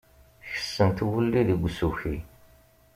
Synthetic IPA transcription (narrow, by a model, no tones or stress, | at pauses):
çə̥sːənt̪wəlːiðəɡʷːsuçi